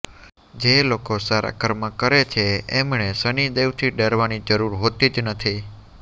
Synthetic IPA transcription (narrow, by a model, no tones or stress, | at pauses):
d͡ʒelokosaɾa̰kəɾmãkəɾet͡ʃʰeemɳesəɳid̪eʋt̪ʰiɖəɾʋanid͡ʒəɾuɾɦot̪id͡ʒnət̪ʰi